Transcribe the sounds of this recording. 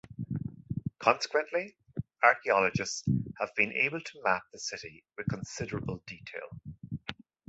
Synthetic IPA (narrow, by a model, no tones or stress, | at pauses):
kʰɑ̃nsɪ̥kʰwə̃nʔli | aɹkiɑləd͡ʒɪstshəvbĩnʔḛɪbəlˠtʰəmap̚ðəsɪɾiwɪð̥kʰə̃nsɪɾəɹəbəlˠdiːtʰeɪlˠ